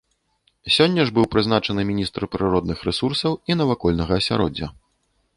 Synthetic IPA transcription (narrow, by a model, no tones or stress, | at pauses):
sʲɔnʲːɐʐbɨwpɾɨznat͡ʂɐnɨmʲinʲist̪ɾpɾɨɾɔd̪̚nɨxɾɛsursɐwinɐvakɔlʲnɐɣɐːsʲa̰ɾɔ̰d͡zʲːɐ̰